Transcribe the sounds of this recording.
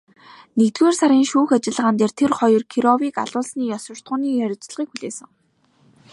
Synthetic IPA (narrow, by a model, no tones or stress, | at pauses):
nekt̪ɡeːrsaɾiːŋʃuːxat͡ɕɪ̆ɮə̆ʁaːnt̪eːrt̪ʰerχɔjɞ̆rkʰiɾɔwiːka̰ɮʊːɮsniːjɔswə̆r̥t̪̚ʁʊːniːjœɾʲɪ̆t͡ɕ̆ɮʁiːkxuɮeːsə̆ŋ